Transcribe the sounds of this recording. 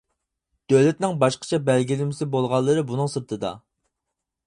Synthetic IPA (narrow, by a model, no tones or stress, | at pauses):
d̪̥ølɪt̪nɪŋbɑʃqʰə̥t͡ʃʰɛbælɡʲilɪmɪsɪbolˠʁɑlˠːɨɾɨbunɨŋsɨɾt̪ʰɨd̪ɑ̰